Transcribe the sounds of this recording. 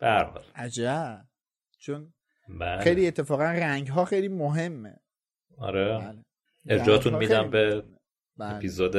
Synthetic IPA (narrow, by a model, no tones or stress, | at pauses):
b̥ehæɾhɒ̰ːlʔæd͡ʒæb | t͡ʃʰon | bælxejliet̪ʰːefɒːɣænræŋɟɦɒːxejliːmoɦe̞mːḛ | ɒ̰ɾele | eɾd͡ʒɒːt̪ʰunid̪æmbe | bæepʰizoːd̪